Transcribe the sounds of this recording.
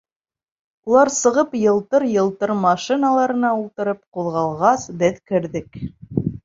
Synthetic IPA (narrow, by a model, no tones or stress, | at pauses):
ulˠɑɾsɤ̆ʁɤpjɤ̆lˠt̪ɤɾjɤ̆lˠt̪ɤɾmɑʃinalˠɑɾɤ̆nɑulˠt̪ɤ̆ɾɤp̚quðʁɑlˠʁɑsbɘðkɘ̆ɾðɘk